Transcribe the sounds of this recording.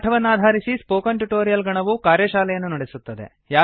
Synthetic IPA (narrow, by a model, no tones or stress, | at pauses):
ʈʰɐʋɐnːaːd̪ʱaːɾisispoːkɐnʈuʈoːɾijɐlɡɐɳɐʋukaːɾjɐʃaːlɛjɐnːunɐɽesut̪ːɐd̪ḛ | jaː